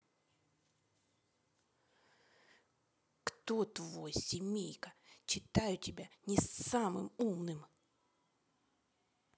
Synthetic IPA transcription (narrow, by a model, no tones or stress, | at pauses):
kt̪o̞t̪vojsʲɪmʲejkət͡ɕɪt̪ajʊtʲɪbʲanʲɪsamɨ̰mumnɨm